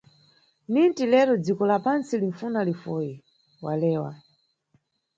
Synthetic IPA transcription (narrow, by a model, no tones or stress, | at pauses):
nintilɛɾɔd͡zikɔlapansiliɱfunalifɔji | walɛːwa̰